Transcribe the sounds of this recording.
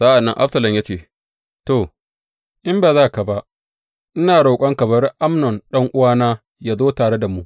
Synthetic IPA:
sa˦ʔa˨nːɐ̰˦ŋʔa̰˦bsɐ˨lɐ˨mja˦t͡ʃeː˦˨ | toː˨ | ʔɪ˦mbaː˨zaː˦ka˨ba˦ʔ | ʔnɪ˦naː˨ɽoː˨kʷʼɔ˦ŋkɐ˨bɐ˦ɾʔa˦mnɔ˨nɗɐ˦ŋʔʊ˦waː˦naː˦ | jaː˦zoː˦taː˨ɽe˦da˨mu˦ʔ

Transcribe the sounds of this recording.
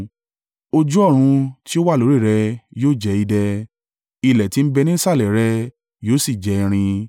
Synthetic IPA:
o˧d͡ʒu˦ɔ˦˨ɾ̃ũ˧ti˦o˦wa˦˨lo˨˦ɾi˦˨ɾɛ˧joː˦˨d͡ʒɛ˨˧˦i˧dɛ˧ | i˧lɛ˨ti˨˦n̩˦bɛ˧nĩ˦n̩˦sa˦˨lɛ˨ɾɛ˧ | joː˦si˦˨d͡ʒɛ˨˧ɾ̃ĩ˧

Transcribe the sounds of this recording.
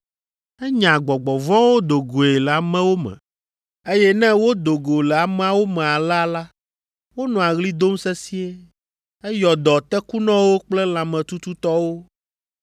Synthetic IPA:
ɛ˦ɲã˨ɡ͡bɔ˨ɡ͡bɔ˨vɔ̃˦wo˦d̪o˨ɡo˨e˨lɛ˨a˨mɛ̃˦wo˦mɛ̰̃˨ | e˦jɛ˦nɛ̃˦wo˦d̪o˨ɡo˨lɛ˨a˨m˦a˦wo˦mɛ̃˨a˨la˦la˦ | wo˦nɔ̃˨a˨ɣli˦d̪o˦msɛ˦si˦e˦ | ɛ˦jɔ˨d̪ɔ˨t̪ɛ˦ku˦nɔ̃˦wo˦k͡plɛ˦l̃ã˨mɛ̃˨t̪u˦t̪u˦t̪ɔ˦wo˦

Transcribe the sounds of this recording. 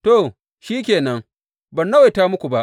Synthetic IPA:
to˦˨ | ʃiː˦k̬ʲeː˨nɐ˦ŋ | bɐ˨nːɐ˦we˨taː˦mʊ˦kʷu˨ba˦ʔ

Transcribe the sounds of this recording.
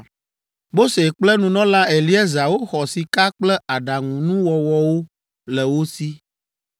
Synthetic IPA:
mo˦se˨k͡plɛ˦nũ˨nɔ̃˦la˦ɛ˨li˦ɛ˦za˨wo˦xɔ˨si˨ka˦k͡plɛ˦a˨ɖa˨ŋũ˨nũ˦wɔ˨wɔ˦wo˦ | lɛ˨wo˦si˦

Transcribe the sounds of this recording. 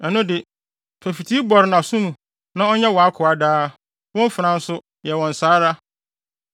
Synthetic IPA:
ɛ˨nʊ̃˦dɪ˨ | pʰæ˨fi˨tʰi˦bɔ˨ɾɪ˨nã˨sũ˦mũ˨ | nã˦ɔ˦ɲɛ˦wɔ˨a˦kʰʊ˨a˨daː˦ | wɔ̃˦m˦fɪ˨ɾã˨˦n̩˦sʊ˦ | jɛ˨wɔ̃˨n̩˨saː˦ɾa˦

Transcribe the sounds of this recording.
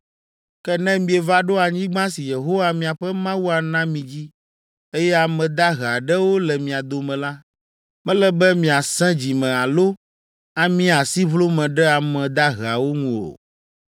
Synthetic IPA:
kɛ˦nɛ̃˦mĩ˨e˨va˦ɖo˦a˨ɲĩ˦ɡ͡bã˦si˨je˨ɦo˦wa˦mĩ˨a˨ɸɛ˦mã˦wu˦a˨nã˦mĩ˨d͡ʑi˦ | e˦jɛ˦a˨mɛ̃˨d̪a˦ɦa˨ɖɛ˦wo˦lɛ˨mĩ˨a˨d̪o˨mɛ̃˨la˦ | mɛ̃˦lɛ˦bɛ˦mĩ˨a˨sɛ̃˦d͡ʑi˨mɛ̃˨a˨lo˦ | a˦mĩ˦a˨si˦βlo˦mɛ̃˨ɖɛ˦a˨mɛ̃˨d̪a˦ɦɛ˨a˨wo˦ŋũ˦o̰˨

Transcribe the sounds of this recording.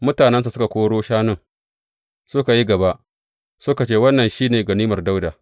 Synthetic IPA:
mʊ˦taː˨nɛ˦ns̬a˨sʊ˦ka˨kʷoː˦ɽoː˦ʃaː˦nʊ˦˨ŋ | sʊ˦ka˨ji˦ɡɐ˨ba˦ʔ | sʊ˦ka˨t͡ʃeː˦wɐ˦nːɐ˨nʃiː˦neː˨ɡɐ˨niː˦mɐ˨rda˦wdaː˨

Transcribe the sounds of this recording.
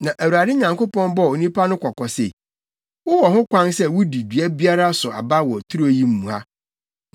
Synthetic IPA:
nã˨ʔæ˨wu˨ɾa˨dɪ˦ɲã˨ŋko˦pɔ̃˦nbɔ˦˨o˨nĩ˦pʰa˦nʊ̃˦kʰɔ˨kɔ˨sḛ˨ | wʊ˦wɔ˨ɦʊ̃˦kʷʰã˦nsɛ˦wʊ˦di˨dɥæ˦bi˦a˦ɾa˦sʊ˨a̰˨ba˦wɔ˨tʰu˦ɾo˨ji˦m̩˦mːũ˨a˦

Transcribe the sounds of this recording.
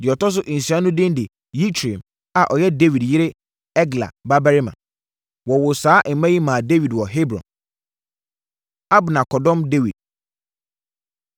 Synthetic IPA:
dɪ˨ɔ˨tɔ˦s̬ʊ˦ʔĩ˨sã˦nʊ̃˦dɪ̃˦ndɪ˨ | ji˦t͡ɕʰɾe˨m | a˨ʔɔ˨jɛ˦de˦wi˨djɪ˦ɾɪ˦ | ɛ˦ɡla̰˨ba˦bɛ˦ɾɪ˦mã̰˨ | wɔ˨wʊ˨saː˨˦ʔ̩˨mã˦ji˦mã˨de˦wi˨dwɔ˨ɦe˦bɾɔ̰̃˨n | a˦bnã˨kʰɔ˨dɔ̃˦mde˦wi˨d̚

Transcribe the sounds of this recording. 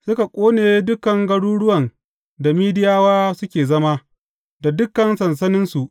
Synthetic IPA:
sʊ˦ka˨kʷʼoː˦neː˨˦dʊ˦kɐ˨ŋɡɐ˦ɽuː˦ɽʊ˦wɐ˨n | da˨miː˦dɪ˦jaː˦waː˦sʊ˦kʲeː˨zɐ˦ma˦ | da˨dʊ˦kːɐ˨nsɐ˨ns̬ɐ˦nɪ˦nsu˨ʔ

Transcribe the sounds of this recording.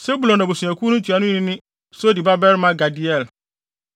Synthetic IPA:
se˦bu˨lɔ̃˨na˨bo˨sũ˨ã˨kʰu˦nʊ̃˦tʰu˨a˨nʊ̃˦nɪ̃˦nɪ̃˦ | sʊ˦di˨ba˦bɛ˦ɾmã˦ɡa˨di˦ɛ˦˨l

